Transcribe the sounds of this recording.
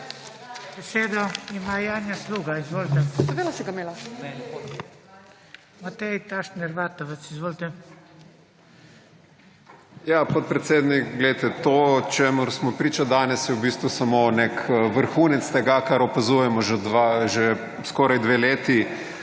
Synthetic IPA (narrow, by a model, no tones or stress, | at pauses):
bɛseːd̪ɔimajaːnjasluːɡaizʋoːlt̪ɛʋelasɛɡameːla | mat̪ɛjt̪aʃnɛɾʋat̪ɔʋɛt̪sizʋoːlt̪ɛ | japɔt̪̚pɾɛt̪seːd̪nikɡlɛjt̪ɛt̪ot͡ʃemʊɾsmɔpɾiːt͡ʃad̪aːnɛsjɛwbist̪ʋusamonekʋəɾxuːnɛt̪st̪ɛɡakaɾɔpazujɛmɔʒɛd̪ʋaʒɛ | skoːɾajd̪ʋeleːt̪i